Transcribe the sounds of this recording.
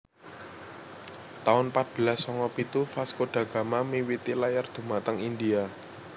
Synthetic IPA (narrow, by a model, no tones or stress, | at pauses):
t̪aʊnpat̪̚b̥ə̤lasːɔŋɔpit̪ufaskoɖ̥a̤ɡ̥a̤mamiwit̪ilajard̪̥ṳmat̪əŋind̪ia